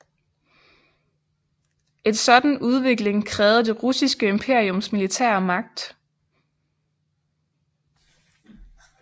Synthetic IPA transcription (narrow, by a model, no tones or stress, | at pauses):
ʔe̝nsɒ̽d̥n̩uð̞ˠʋe̝ɡ̥le̝ŋkʰʁɛːʊð̞̩ˠd̥e̝ʁusisɡ̥əe̝mpʰe̝ɐ̰iɔ̽msmilit͡sʰɛ̰ɐmɑ̈ɡ̥̚d̥